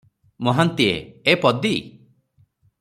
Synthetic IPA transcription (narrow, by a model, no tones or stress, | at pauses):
mɔɦant̪iḛepɔd̪i